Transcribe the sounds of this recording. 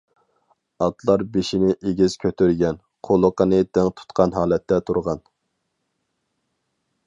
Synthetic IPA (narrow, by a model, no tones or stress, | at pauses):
ɑt̪lˠɑɾbeʃinɪʔeɡʲiz̥kʲʰøt̪ʰyɾɡʲɛn | qʰolˠʊqənɨd̪ɛŋt̪ʰu̥t̪qʰɑnɦɑːlˠɛt̪ʰːɛt̪ʰuɾʁɑn